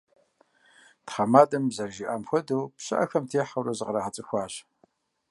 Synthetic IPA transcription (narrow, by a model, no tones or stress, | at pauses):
tχɐmaːdɐmzɐrʒiʔaːmxʷɔdowpɕɨ̰ʔɐ̰xɐmtʰeːħawrɐzɨqraʁɐt͡sʼɨxʷɑːɕ